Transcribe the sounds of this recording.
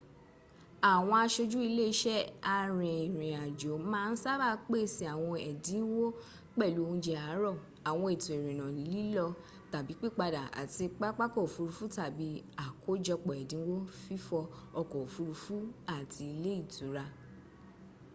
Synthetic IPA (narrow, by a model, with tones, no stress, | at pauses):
a˨w̃ɔ̃˧a˧ʃo˧d͡ʒu˦i˧le˦i˧˦ʃɛ˦a˧ɾĩ˨i˨ɾ̃ĩ˨a˨d͡ʒo˨˦mãː˦˧n̩˦sa˦ba˦˨k͡pe˦si˦a˨w̃ɔ̃˧ɛ˨dĩ˨˦wo˦ | k͡pɛ˦˨lu˨˦o˧ũ˧d͡ʒɛ˧a˨˦ɾɔ˦˨ | a˨w̃ɔ̃˧e˨tu˨e˨ɾĩ˨nã˨lĩ˨˦li˦lɔ˧ | ta˨bi˨˦k͡pi˦˨k͡pa˧da˨a̰˨ti˧k͡pa˦k͡pa˦kɔ˦˨fu˧ɾu˧fu˨˦ta˨bi˨˦a˦˨ko˦d͡ʒɔ˧k͡pɔ˨ɛ˨dĩ˨˦wo˦fi˦fɔ˧ɔ˧kɔ˨fu˧˦ɾu˧fu˦a˦˨tʰi˧i˧le˦i˦˨tu˨˦ɾa˧